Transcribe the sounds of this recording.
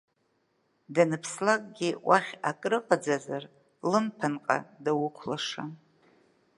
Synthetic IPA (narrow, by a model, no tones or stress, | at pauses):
danɨpʰslakʼɡʲiwʔaχʲakʼrɨqʼad͡zazar | lɨmpʰanqʼa̰dawʊkʷʰlaʂa